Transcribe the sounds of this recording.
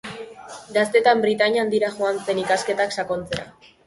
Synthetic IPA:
ɡast̪e̞t̪ambɾit̪aɲand̪iɾaʝuant͡se̞nikaske̞t̪aksako̞nt͡se̞ɾa̰

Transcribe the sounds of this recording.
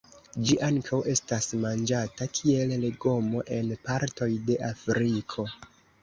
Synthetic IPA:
d͡ʒiʔaŋkʰawe̞stasmand͡ʒatakʰie̞lleɡo̞mo̞ʔe̞npaɾto̞jde̞ʔafɾikʰo̞

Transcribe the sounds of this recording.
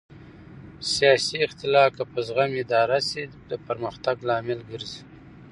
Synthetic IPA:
sijɑsiːxt̪ɪlɑkapəzɣamɪd̪ɑːɾasid̪əpəɾməxt̪aɡlɑːmɪlɡəɾzi

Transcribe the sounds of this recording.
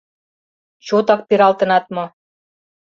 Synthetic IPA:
t͡ɕot̪ɑk̚peɾɑlt̪ɤ̆nɑt̪̚mɤ̆

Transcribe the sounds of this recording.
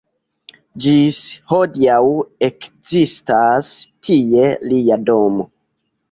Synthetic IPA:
d͡ʒisho̞diawekzistastʰie̞liado̞mo

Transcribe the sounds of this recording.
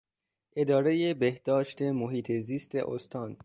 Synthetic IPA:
ʔe̞d̪ɒːɾe̞jebehd̪̥ɒːʃt̪ʰe̞moɦiːt̪ʰeziːst̪ʰḛʔo̰st̪ʰɒːn

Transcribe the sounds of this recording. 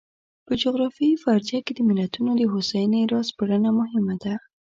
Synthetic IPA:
pəd͡ʒʊɣɾɑfiifaɾziaked̪əmɪlat̪unod̪əɦosajneɾɑspəɽənamʊɦɪmad̪a

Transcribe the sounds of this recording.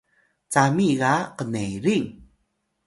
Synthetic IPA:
t͡samiɣaqəneɾiŋ

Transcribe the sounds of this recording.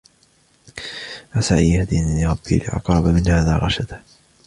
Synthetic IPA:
ʔasaʕʔiːhad̪iːnalɪɾˤɑbːḭːlɪʔɑ̰qɾˤɑbamɪnhaːðaːɣɑʃad̪a

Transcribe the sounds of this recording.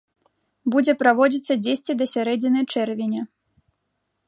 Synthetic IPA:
bud͡zʲɛpɾavɔd͡zʲit̪sːɐd͡zʲesʲt͡sʲid̪ɐsʲaɾɛd͡zʲinɐjt͡ʂɛrvʲenʲɛ

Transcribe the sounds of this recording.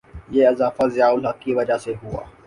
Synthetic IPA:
jeːɪzaːfazɪjaːʊlɦɐkiʋɐd͡ʒaseɦʊa̰ː

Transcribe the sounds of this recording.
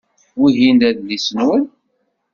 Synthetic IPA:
wiɦind̪æðlisənwən

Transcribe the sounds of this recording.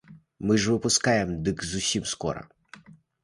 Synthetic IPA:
mɨʒʋɨpʊskajemd̪ɨkzʊsʲimskɔ̰ɾɐ̰

